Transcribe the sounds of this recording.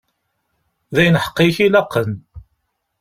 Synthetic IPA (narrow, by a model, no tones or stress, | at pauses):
ðæjnħə̥qːiçilɑqːən